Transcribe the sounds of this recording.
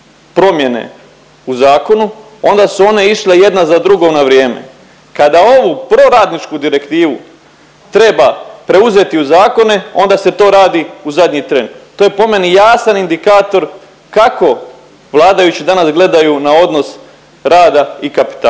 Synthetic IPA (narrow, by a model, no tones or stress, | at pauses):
pɾo̞mje̞ne̞̰ | uzaːko̞nu | o̞nd̪asuo̞ne̞iʃleje̞d̪nazad̪ɾuɡo̞naʋɾjeːme̞̰ | kad̪ao̞ʋupɾo̞ɾaːd̪nit͡ʃkud̪iɾe̞kt̪iːʋṵ | t̪ɾe̞bapɾe̞uze̞t̪iuzaːko̞ne̞o̞nd̪ase̞t̪o̞ːɾaːd̪iuzad̪ɲit̪ɾe̞nt̪oːje̞po̞me̞nijaːsanind̪ikaːt̪o̞ɾ | kako̞ | ʋlˠaːd̪ajut͡ɕid̪anasɡle̞d̪ajunao̞d̪no̞s | ɾaːd̪aikapi̥t̪a